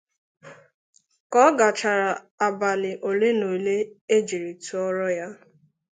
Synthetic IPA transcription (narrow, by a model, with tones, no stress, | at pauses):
kɔ˦ɡa˨t͡ʃa˨ɾa˨ | a˨ba˨lɪ˨ʔo˨le˦no˨le˦e˦d͡ʒi˨ɾi˨tu˨ɔ˦ɾɔ˦ja˦